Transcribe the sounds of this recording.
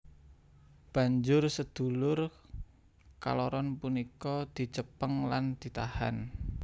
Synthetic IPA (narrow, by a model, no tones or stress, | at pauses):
b̥a̤ɲd͡ʒʊrsəd̪̥ṳlʊr | ka̰lɔɾɔnpunikɔd̪̥i̤t͡ʃəpəŋland̪̥i̤t̪ahan